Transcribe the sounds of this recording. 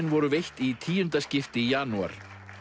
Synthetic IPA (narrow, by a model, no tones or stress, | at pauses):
nvɔɾʏvejht̪it̪ʰiːjʏnt̪ascɪft̪ɪjaːnua̰ɾ̥